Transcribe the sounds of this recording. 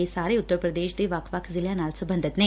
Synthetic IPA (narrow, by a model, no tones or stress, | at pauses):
eːsaːɾeːʊt̪ːəɾpɾɐd̪eːʃd̪eʋaːkʰʋaːkzɪljaːnaːlsɐbɐnd̪ʱɐt̪neː